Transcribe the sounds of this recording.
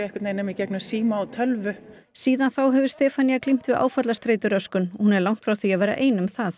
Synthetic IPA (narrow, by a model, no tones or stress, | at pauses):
ɛhkɪt̪nejnamɪcɛknḁsiːmaːwt̪ʰœlvʏ | siːðanθawɦɛvɪɾ̥st̪ɛːfanijaklim̥t̪vɪða̰ːwfat̪last̪ɾeːjt̪ʏɾœskʏnhunɛɾlawŋ̥t̪fɾawθiavɛːɾa̰ʔeːjnʏmθaθ